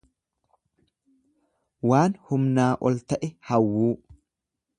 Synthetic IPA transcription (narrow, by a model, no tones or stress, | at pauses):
waːnhʊmnaːʔɔlt̪ɐʔɛhɐwːuː